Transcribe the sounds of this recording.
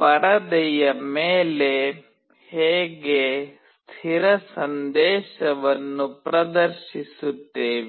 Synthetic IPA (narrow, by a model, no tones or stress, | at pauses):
pɐɽɐd̪ɛjɐmeːle | heːɡest̪ʰiɾɐsɐnd̪eːʃɐʋɐnːupɾɐd̪ɐɾʃisut̪ːeːʋi